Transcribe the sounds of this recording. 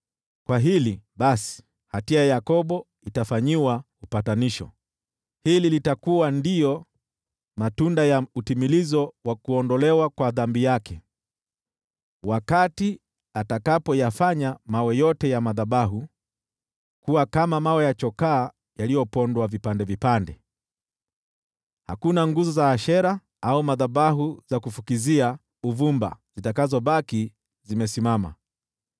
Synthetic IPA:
kwaɦiliɓasi̥ | hatiajajakɔɓɔ | itafaɲiwa | upataniʃɔ̰ | hililitakuwandijɔ | matundajautimilizɔwakuɔndɔlɛwakwaðambijakɛ | wakati | atakapɔjafaɲamawɛjɔtɛjamaðaɓaɦu | kuwakamamawɛjat͡ʃɔkaː | jalijɔpɔndwavipandɛvipandɛ | ha̰kunaŋɡuzɔzaːʃɛɾa | aumaðaɓaɦuzakufukizia | uvumba̰z̥itakazɔbaki | zimɛsimama̰

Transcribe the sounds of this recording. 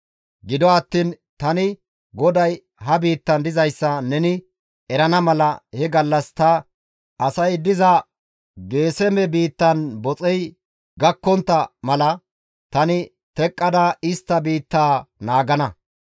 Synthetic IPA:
ɡɪd̪ɔɐt̪ːiːn | t̪ɐnɪ | ɡɔd̪ɐj | ɦɐbiːt̪ːɐnd̪ɪzɐjsːɐnɛnɪ | ɛɾɐnɐmɐlɐhɛɡɐlːɐst̪ɐ | ʔɐsɐjd̪ɪzɐ | ɡe̞ːsɛmɛbiːt̪ːɐnbɔt͡sʼɛj | ɡɐkːɔnt̪ːɐmɐlɐ | t̪ɐnɪ | t̪ɛkʼːɐd̪aɪst̪ːɐbiːt̪ːaːnaːɡɐnɐ

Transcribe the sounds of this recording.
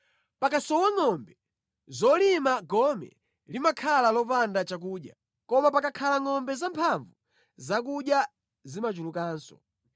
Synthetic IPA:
pakasɔwaŋɔmbɛ | zɔlimaɡɔmɛ̰ | limakʰalalɔpandat͡ʃak̬uːɗja | kɔmapakakʰalaŋɔmbɛzampʰaɱvu | zak̬uɗja | zimat͡ʃulukaːnsɔ̥̰

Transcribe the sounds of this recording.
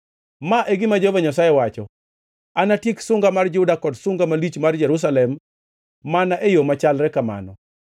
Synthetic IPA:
maʔeɡɪmad͡ʒovaɲasajɛwat͡ʃɔ | anatiksʊŋɡamard͡ʒʊdakɔdsʊŋɡamalit͡ʃmard͡ʒɛɾus̬alɛmː | anaʔejomat͡ʃalɾɛkama̰nɔ̰

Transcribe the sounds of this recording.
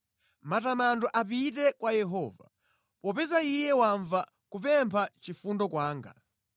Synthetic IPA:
matamandɔʔap̬itɛkwajɛɦɔːva̰ | pɔpɛzaijɛwaɱva | kupɛmpʰat͡ʃifundɔkwaːŋɡa̰

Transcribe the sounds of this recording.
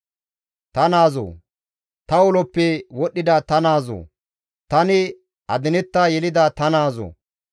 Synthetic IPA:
t̪ɐnaːzo̰ː | t̪ɐwɔlɔpːɛwɔɗːɪd̪ɐt̪ɐnaːzo̰ː | t̪ɐnɪ | ʔɐd̪ɪnɛt̪ːajɛlɪd̪ɐt̪ɐnaːzo̰

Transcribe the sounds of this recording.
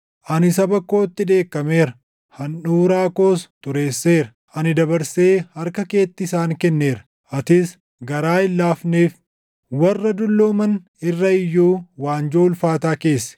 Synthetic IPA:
ʔɐnɪsɐbɐkːo̞ːt̪ːɪᶑe̞ːkːɐme̞ːɾɐ | hɐnᶑuːɾaːko̞ːst̪ʊɾe̞ːsːe̞ːɾɐ | ʔɐnɪd̪ɐbɐɾseːhɐɾkɐke̞ːt̪ːɪsaːŋkɛnːe̞ːɾɐ̥ | ʔɐt̪ɪs | ɡɐɾaːɪlːaːfneːf | wɐrːɐd̪ʊlːoːmɐn | ɪrːɐɪjːuːwaːnd͡ʒoːlfaːt̪aːke̞ːsːɛ̥

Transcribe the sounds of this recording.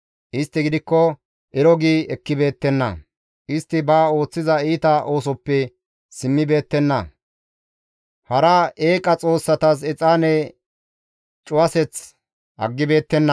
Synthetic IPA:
ʔɪst̪ːɪɡɪd̪ɪkːɔ | ʔɛɾɔɡiːɛkːɪbe̞ːt̪ːɛnːɐ̰ | ʔɪst̪ːɪbaːo̞ːt͡sːɪzɐiːt̪ɐʔo̞ːsɔpːɛ | sɪmːɪbe̞ːt̪ːɛnːɐ̰ | hɐɾɐeːkʼɐt͡sʼo̞ːsːɐt̪ɐs̬ɛt͡sʼaːnɛ | t͡ʃʼʊɐsɛt͡s | ʔɐ̰ɡːɪbe̞ːt̪ːɛnːɐ

